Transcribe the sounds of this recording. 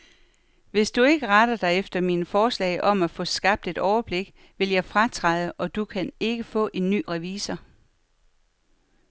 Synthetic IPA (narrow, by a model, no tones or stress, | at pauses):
ʋe̝sd̥ue̝ɡ̥əʁɑd̥ɐd̥ɑɪefd̥ɐmiːnəfɒːslɛ̰ɪʔɒ̽mæfɔ̽sɡ̥ɑ̈b̥̚d̥e̝d̥ɒʊɐb̥le̝ɡ̥ | ʋe̝ljɑ̈ɪfʁat͡sʰʁɑðˠəʔɒ̽d̥ukʰæne̝ɡ̥əfɔ̰̽ːʔe̝nːy̰ːʁɛʋḭːsɐ